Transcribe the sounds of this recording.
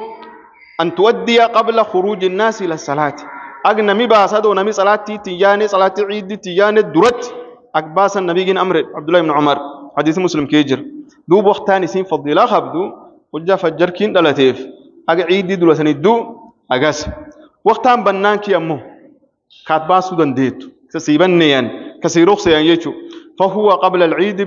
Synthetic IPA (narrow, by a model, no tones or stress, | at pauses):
ʔɐnt̪ʊʔɐd̪ːɪjaqʼɐblɐxʊɾuːd͡ʒɪnːaːsɪlɐsːɐlaːt̪ʔɐɡnɐmɪbaːsɐd̪oːnɐmɪsʼɐlaːt̪ːiːt̪ːɪjaːnɛsʼɐlaːt̪ːiʕiːd̪ɪt̪ːɪjaːnɛd̪ʊɾɐt̪ːɪ̥ | ʔɐɡ̚baːsɐnːɐbiːɡɪnɐmɾɪʕa̰b̚d̪ʊlːaːhɪbnʊʕʊmɐɾħad̪iːsmʊslɪmkeːd͡ʒɪɾ | d̪uːbwɐkt̪aːnɪsiːnfɑd̪ˤiːlaxɐbd̪ʊ | hʊd͡ʒːafɐd͡ʒːɐɾkiːnᶑɐlɐt̪eːf | ʔɐɡʕiːd̪ɪd̪ʊlɐt̪̬ɐnɪd̪ːʊ | ʔɐɡɐs | wɑxt̪aːmbɐnːaːŋkiɐmːo | kaːt̪̚baːsʊd̪ɐnd̪eːt̪ːʊ̥ | ɐsiːbɐnːeːjɐnkɐsiːɾɔxsɛjɐnd͡ʒɛt͡ʃːuːfɐɦʊwɐqʼɑblɐlʕiːd̪